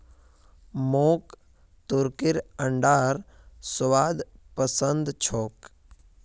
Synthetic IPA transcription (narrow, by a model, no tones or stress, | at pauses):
moːk | t̪uɾkɪɾəɳɖaːɾ | sʋaːd̪pəsənd̪t͡ʃʰoːk